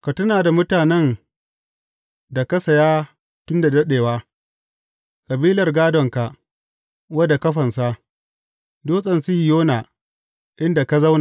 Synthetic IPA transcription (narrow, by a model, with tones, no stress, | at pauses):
ka˨tʊ˦naː˨da˨mʊ˦taː˨nɛ˦n | da˨kɐ˦sɐ˨jaː˦ | tʊ˦nda˨dɐ˦ɗeː˨waː˦ | kʼɐ˨biː˦lɐ˨rɡaː˦dɔ˨ŋka˨ʔ | wɐ˦da˨kɐ˦ɸɐ˨nsa˦ | doː˦sʼɐ˨nsi˦hɪ˨joː˦na˨ | ʔɪ˦nda˨ka˦za˦wna˨